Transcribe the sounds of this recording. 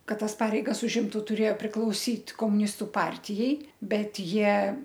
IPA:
ˈkɐt ˈtɐs ˈpɑːrʲɛɪɡɐs ʊʒʲˈɪmtʊ tʊˈrʲeːjoː pʲrʲɪklˠɐʊˈsʲiːt koːmʊˈnʲɪstʊ ˈpɐrʲtʲɪjɛɪ ˈbʲɛt ˈjiɛ

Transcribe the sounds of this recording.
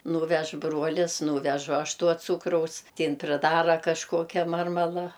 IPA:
ˈnuːʋʲɛʃ ˈbruɔlʲɪs ˈnuːʋʲɛʒʊ ˈɐʃ ˈtuɔ ˈt͡suːkrɐʊs tʲɪ ˈɪn pʲrʲɪˈdɑːrɐ kɐʃˈkoːkʲɛ ˈmɐrmɐlˠɐ

